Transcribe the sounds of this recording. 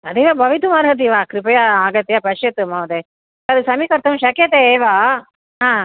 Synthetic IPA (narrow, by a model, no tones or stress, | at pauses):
ɐd̪eʋabɐʋit̪̬umaɾɦɐt̪̬iʋaːkɾɪpɐjaaɡɐt̪ːjapɐʂjɐt̪ːɯmaʋɐd̪e | ɐðɯsɐmikɐɾt̪ɐũʃɐkjɐt̪eʋaː | ɦãː